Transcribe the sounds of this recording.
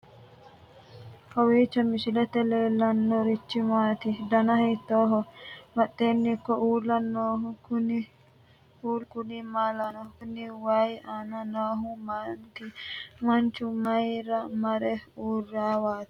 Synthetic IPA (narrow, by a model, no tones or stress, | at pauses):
kɐwiːt͡ʃːɐmɪʃɪlɛt̪ɛleːlːɐnːɔɾit͡ʃːɪmaːt̪ɪd̪ɐnɐhit̪ːoːɦɔmɐɗːeːnːikːɔʔuːlːɐnoːɦʊkʊni | huːlkʊnimaːlɐnɐkʊniwajaːnɐnoːɦʊmant̪imɐnt͡ʃʊmɐjɾɐmɐɾɛuːɾːaːwaːt̪i̥